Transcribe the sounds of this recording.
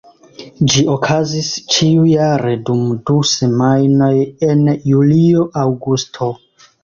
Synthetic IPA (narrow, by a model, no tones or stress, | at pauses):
d͡ʒiokʰazist͡ʃiujaɾe̞dumduse̞majno̞je̞njulio̞ʔawɡustʰo̞